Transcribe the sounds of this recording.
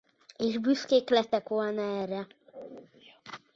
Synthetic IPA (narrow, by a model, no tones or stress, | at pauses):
eːʒbyskeːklɛt̪ɛkʋolnɒɛːrːɛ